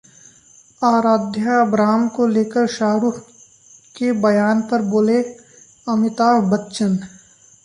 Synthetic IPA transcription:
aːɾaːd̪ʱjaɐbɾaːmkoleːkəɾʃaːɾuːf | kebɐjaːnpɐɾboːle | ɐmɪt̪aːɦbɐtːʃən

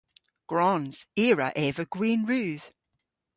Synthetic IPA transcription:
ɡ̥ɹɔnz̥iːɹə̰ʔɛvəɡ̥wiːnɹʉːð̥

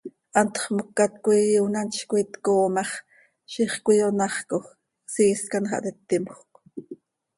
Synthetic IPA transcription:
ʔɑnt̪χmokːat̪kʷijuwnanʃkʷit̪koːmɑχ | ʃiχkʷijonɑχkox | siːskanχɑ̰ʔt̪ɛt̪ːimχq

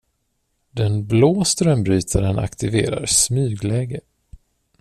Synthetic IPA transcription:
d̪ɛnbloːst̪ɾœmbɾyːt̪ʰaɾəna̰kt̪ɪveːɾa̰ɾsmyːɡlɛːɡə

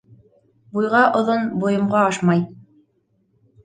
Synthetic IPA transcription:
bujʁɑʔŏðonbujŏmʁɑɑʃmɑj

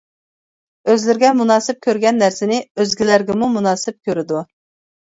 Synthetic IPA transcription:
øzlɪɾɡʲɛmunɑːsɪp̚kʲøɾɡʲɛnːæɾsɪnɪøzɡʲilæɾɡʲɛmumunɑːsɪp̚kʲøɾɪd̪u

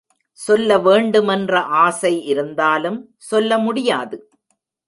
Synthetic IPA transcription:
sɔlːɐʋeːɳɖɯmɛndrɐʔaːsɐɪʔɪɾɯnd̪aːlɯm | sɔlːɐmʊɽɪjaːðɯ

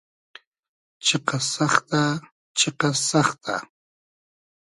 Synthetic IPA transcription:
t͡ʃeqɑsɑχt̪a | t͡ʃeqɑsɑχt̪ʰa̰

